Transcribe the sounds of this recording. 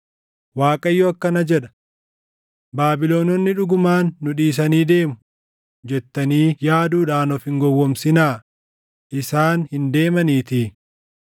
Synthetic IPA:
waːkʼɐjːɔɐkːɐnɐd͡ʒɛᶑɐ̥ | baːbɪlo̞ːnɔnːɪᶑʊɡʊmaːnːʊᶑiːs̬ɐniːd̪e̞ːmʊ̥ | d͡ʒɛt̪ːɐniːjaːd̪uːᶑaːnɔfɪŋɡɔwːɔmsɪnaː | ʔɪsaːnhɪnd̪e̞ːmɐniːt̪iː

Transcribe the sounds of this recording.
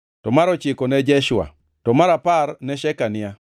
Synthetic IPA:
tɔmaɾɔt͡ʃɪkonɛd͡ʒɛʃʊa̰ | tɔmaɾaparnɛʃɛkanɪja

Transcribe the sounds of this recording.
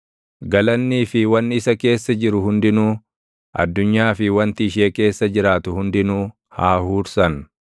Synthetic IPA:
ɡɐlɐnːiːfɪwɐnːɪɪsɐke̞ːsːɐd͡ʒɪɾʊhʊnd̪ɪnuː | ʔɐ̰d̪ːʊɲːaːfɪwɐnt̪ɪɪʃ̬eːke̞ːsːɐd͡ʒɪɾaːt̪ʊhʊnd̪ɪnuː | haːhuːɾsɐn

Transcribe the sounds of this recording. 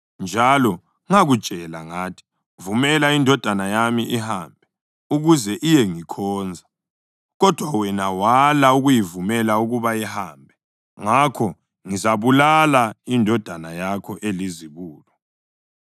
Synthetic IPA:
nd͡ʒʱalɔ | ŋaɣud̥ʒ̥ʱɛlaŋaːtʰi̥ | vumɛlaindʱɔd̥ʱanajamiʔihambʱɛ | uɣuzɛʔijɛŋikʰɔːnd͡zʱa | ɣɔd̥ʱwawɛnawalauɣujivumɛlauɣuβajɛhambʱɛ | ŋakʰɔ | ŋizaβulalaindʱɔd̥ʱanajakʰɔʔeliziβuːlɔ

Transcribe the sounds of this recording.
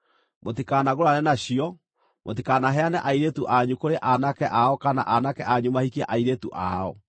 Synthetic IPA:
motikanaɣoɾanɛnaɕiɔ | mot̬ikanaɦɛanɛʔaiɾetuʔaɲukoɾeʔanakɛʔaɔkana̰ʔanakɛʔaɲumahikiɛa̰ʔaiɾetṵʔa̰ɔ

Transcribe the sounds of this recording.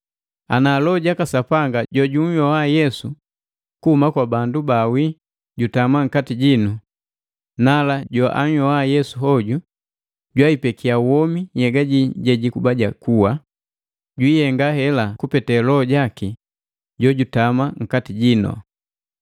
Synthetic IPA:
a̰nalɔɟakasapaŋɡaɟɔɟuɲ̩jɔwajɛsu | kuhumakwabandubawi | ɟutamaŋ̩katiɟinu | nalaɟɔʔa̰ɲ̩jɔajɛsuɦɔɟu | ɟwaipɛkiawɔmijɛɡaɟiɟɛɟikubaɟakuwa | ɟwiːjɛŋɡahɛlakupɛtɛlɔɟaki | ɟɔɟutamaŋ̩katiɟinɔ̰

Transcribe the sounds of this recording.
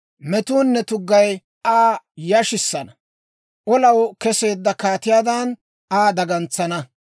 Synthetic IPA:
mɛt̪uːnːɛt̪ʊɡːɐj | aː | jɐʃɪsːɐnɐ | ʔɔlɐwkɛse̞ːd̪ːɐkaːt̪ɪjaːd̪ɐn | aːd̪ɐɡɐnt͡sːɐnɐ

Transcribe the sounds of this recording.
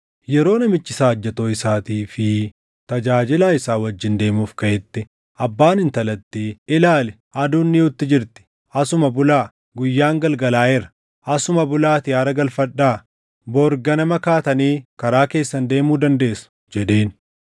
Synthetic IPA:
jɛɾo̞ːnɐmɪt͡ʃːɪsaːɐd͡ʒːɛt̪oːɪsaːt̪iːfɪ | t̪ɐd͡ʒaːd͡ʒɪlaːɪsaːwɐd͡ʒːɪnd̪e̞ːmuːfkɐʔɛt̪ːɪ | ʔɐbːaːnɪnt̪ɐlɐt̪ːiːɪlaːlɛ | ʔɐd̪uːnːiʊt̪ːɪd͡ʒɪɾt̪ɪ̥ | ɐsʊmɐbʊlaː | ɡʊjːaːŋɡɐlɡɐlaːɛɾɐ̥ | ʔɐsʊmɐbʊlaːt̪ɪjaːɾɐɡɐlfɐᶑːaː | boːɾɡɐnɐmɐkaːt̪ɐniːkɐɾaːke̞ːsːɐnd̪e̞ːmuːd̪ɐnd̪e̞ːsɐ̥ | d͡ʒɛd̪e̞ːn

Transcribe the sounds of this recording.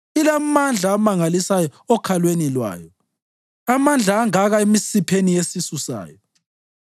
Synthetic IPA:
ilamand͡ɮʱaːmaŋalisajɔɔkʰalwenilwa̰ːjɔ | amand͡ɮʱaːŋaɣaemisipʰenijesisusa̰ːjɔ

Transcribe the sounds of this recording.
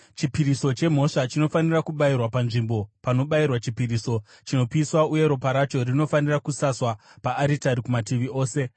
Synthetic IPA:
t͡ʃipiɾiso̞t͡ʃe̞m̤o̞ʂat͡ʃino̞fanirakuɓairwapanʐimbo̞pano̞ɓairwat͡ʃipiriːso̞ | t͡ʃino̞piswauje̞ɾo̞paɾat͡ʃo̞rino̞fanirakusaswapaːɾitaɾikumatiʋio̞ːse̞

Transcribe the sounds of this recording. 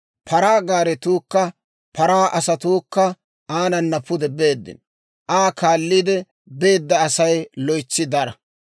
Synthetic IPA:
pʰɐɾaːɡaːɾɛt̪uːkːɐ | pʰɐɾaːʔɐsɐt̪uːkːɐ | ʔaːnɐnːɐpːʊd̪ɛbe̞ːd̪ːɪ̰n | ʔaːkaːlːiːd̪ɛ | be̞ːd̪ːɐɐsɐjlɔjt͡sːɪd̪ɐɾɐ

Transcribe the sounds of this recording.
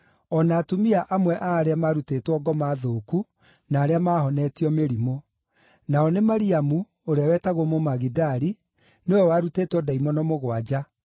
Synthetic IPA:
ɔnaːtumiaʔamwɛʔaːɾeamaːɾutetwɔɡɔmaðoːku | naːɾeamaːhɔnɛtiɔmeɾimo | naɔnemaɾiamu | oɾeawɛtaɣomomaɣidaɾi | nojɔwaɾuteːtwɔdaimɔnɔmoɣwad͡ʑa

